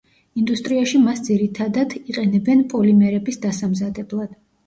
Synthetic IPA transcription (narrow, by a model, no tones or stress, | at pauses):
ind̪ust̪ʼɾiaʃimasd̪ziɾit̪ʰad̪ad̪iqʼɛnɛbɛnpʼɔlimɛɾɛbisd̪asamzad̪ɛblˠad̪̥